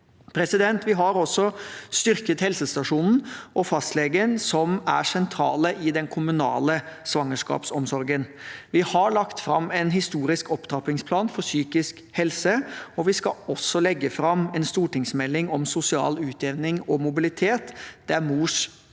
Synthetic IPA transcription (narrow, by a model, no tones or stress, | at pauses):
pʰɾɛsɪd̪ɛnt̪ʋɪɦɑɾɔsːɔst̪ʏɾkət̪hɛlsəst̪ɑʂuːnn̩ɔfɑst̪leːɡənsɔmæ̰sɛnt̪ʰɾɑːləʔɪd̪ɛnkʰʊmʉnɑ̰ːləsʋɑŋːəʂkɑ̰ːpsɔmsɔɾɡənʋɪhɑɭɑkt̪fɾɑmːɛnɦɪst̪uːɾɪskɔpt̪ʰɾɑpɪŋspʰlɑːnfɔɾsyːkɪsk | hɛlsəɔʋɪskɑ̰ɔsːɔlɛɡːəfɾɑmɛnst̪uːʈɪŋsmɛlːɪŋɔmsʊsɪɑ̰ːlʉːt̪eːʋnɪŋɔmʊbɪlɪt̪ʰeːt̪d̪̥ææɾmuːʂ